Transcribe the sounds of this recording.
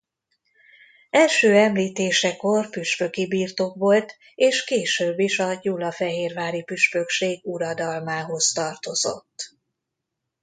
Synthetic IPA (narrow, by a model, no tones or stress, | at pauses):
ɛlʃøːɛmliːt̪eːʃɛko̞rpyʃfø̞kibiːrt̪oːkʋo̞lt̪ | eːʃkeːʃøːbːiʃɒjuːlɒfɛɦeːrvaːɾipyʃfø̞kʃeːɡuɾɒd̪ɒlmaːɦo̞zt̪ɒrt̪o̞zo̞̰t̪ː